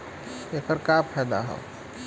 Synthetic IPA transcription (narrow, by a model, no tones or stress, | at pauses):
eːkəɾkapʰɛːd̪a̰ɦɛ̰